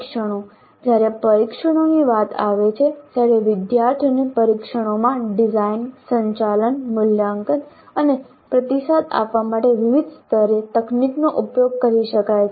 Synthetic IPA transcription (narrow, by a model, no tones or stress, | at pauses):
kʃəɽ̃o | d͡ʒjaɾepəɾikʃəɽ̃oniʋat̪a̰ʋet͡ʃʰet̪jaɾeʋɪd̪jaɾt̪ʰənipəɾikʃəɽ̃omãɖɪzainsəɲt͡ʃalənmʊljaŋkən | əne | pɾət̪isad̪a̰pʋamaʈeʋɪʋid̪st̪ʰəɾet̪əkniknoʔupjoɡ̚kəɾiʃəkajʰ